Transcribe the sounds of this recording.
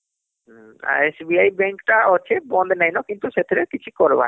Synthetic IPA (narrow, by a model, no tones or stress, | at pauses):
a̰esbiajbɛŋkʈaɔt͡ʃʰebɔnd̪nɛjnɔkint̪uʃet̪ʰeɾekit͡ɕʰikɔɾba̰